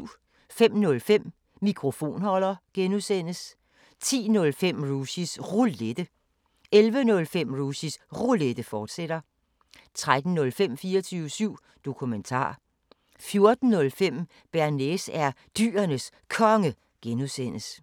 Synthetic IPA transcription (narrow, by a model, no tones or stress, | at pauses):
fem̰nɔ̽lfem̰ː | ikʰʁo̝fo̝̰ːnhɒ̽l̰ɐɡ̥enuðˠsen̰əs | t͡sʰḭːnɔ̽lfem̰ʁusisʁuled̥ə | elʋənɔ̽lfem̰ʁusisʁuled̥əfɒːd̥seɾ̥ɐ | t͡sʰʁad̥n̩nɔ̽lfem̰fiːɐt͡sʰyːʊəsyʊ̰ | d̥o̝kʰument͡sʰɑ̰̈ː | fjo̝ɐd̥n̩ːɔ̽lfem̰ | b̥æɐnesæɐ | d̥y̰ːɐnəs | kʰɒ̽ŋə | ɡ̥enuðˠsen̰əs